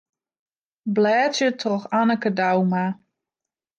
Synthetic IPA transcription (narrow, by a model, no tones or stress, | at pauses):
blɛːtjətrɔxanəkədawma